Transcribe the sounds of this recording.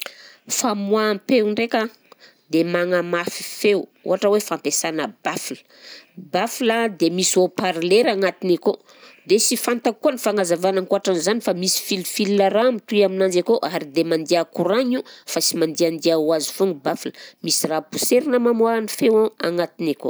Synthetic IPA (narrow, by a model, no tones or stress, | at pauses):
famuampewɳɖ͡ʐeka | d̪emaŋəmafi̥fewṵɦaʈ͡ʂəwefampesanəbafilə̥ | bafilad̪emisiopaɾleɾaŋat̪iniko | d̪esifant̪akuanifaŋazavanaŋkoaʈ͡ʂanzanifamisi̥filfilinaɾamit̪uaminand͡ʒakoʔaɾid̪emand̪iakuɾaɲufasimand̪iand̪iawazifuŋibafilə̥misirapu̥seɾinəmamuanifewaaŋat̪ineko